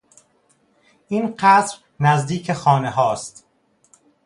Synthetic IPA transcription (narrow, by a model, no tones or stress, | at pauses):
ʔiːnqæd̪ɾ | næzd̪iːcʰexɒːneɦɒːst̪